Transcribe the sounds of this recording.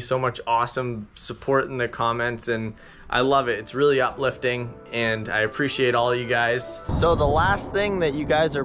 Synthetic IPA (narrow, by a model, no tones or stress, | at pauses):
soʊmʌt͡ʃɔsə̃msəpʰɔɹɾn̩ðɨkʰɑmɛ̃ntsɨ̃n | ʔa̰ɪlʌvɨtɨtsɹɪlˠiʌplɪftɪ̃ŋɨ̃na̰ɪɨpʰɹ̥iʃieɪɾɔlˠʌjɨɡaɪz̥soʊðəlæst̪θɪ̃ŋðɨt͡ʃɨɡaɪzə˞